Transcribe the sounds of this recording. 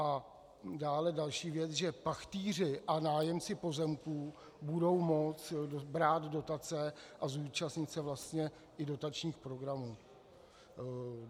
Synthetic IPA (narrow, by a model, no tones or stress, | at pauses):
ʔa | daːlɛdalʃiːvjɛt͡sʒɛpaxt̪iːr̝ɪʔanaːjɛmt͡sɪpo̞zɛmkuː | budo̞wmo̞t͡sobɾaːd̪do̞t̪at͡sɛʔazuːt͡ʃast̪ɲɪt̪sɛvlast̪ɲɛ | ʔɪdo̞t̪at͡ʃɲiːxpɾo̞ɡɾamuː